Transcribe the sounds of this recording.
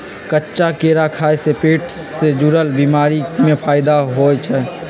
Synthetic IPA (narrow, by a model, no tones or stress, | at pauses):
kətːʃakeːɾakʰaːesepeːʈʰsed͡ʒuɾəlbimaːɾimẽpʰaːɪd̪aɦoːt͡ʃʰɛː